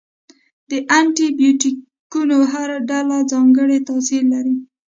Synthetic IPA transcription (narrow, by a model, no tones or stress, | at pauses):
d̪̥əʔaɳʈibjuʈi | kunoɦaɾaɖalazɑŋɡəɽet̪asiɾllaɾi